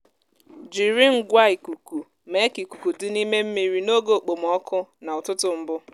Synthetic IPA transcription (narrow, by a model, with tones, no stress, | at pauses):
d͡ʒi˨ɾi˦ŋ̩˦ɡʷa˦i˨ku˨ku˨ | me˦ki˨ku˨ku˨dɪ˦ni˦me˦m̩˦mi˨ɾi˨no˦ɡo˨k͡po˨m˨ɔ˦kʰʊ˦na˨ʊ˨tʊ˦tʊ˨m̩˦bʊ˦